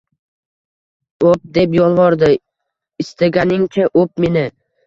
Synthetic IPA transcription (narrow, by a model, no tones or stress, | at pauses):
op̚d̪e̞pjɒlˠvɒɾd̪ɪ | ɪst̪ʰaɡʲanɪŋt͡ʃʰaʔop̚menɪ